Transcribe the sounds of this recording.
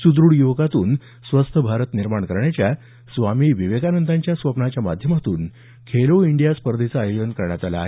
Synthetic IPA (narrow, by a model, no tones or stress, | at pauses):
sud̪ɾuɽjuʋɡat̪uːn | sʋəst̪ʰəbʱaɾət̪niɾmaɳkəɾɳjat͡ɕja | sʋamiːʋiʋekanənd̪aɲt͡ɕjasʋəpnat͡ɕjamad̪ʱjəmat̪uːn | kʰeloiɳɖijaspəɾd̪ʱit͡saːjod͡ʑənkəɾɳjat̪ala̰ːɦe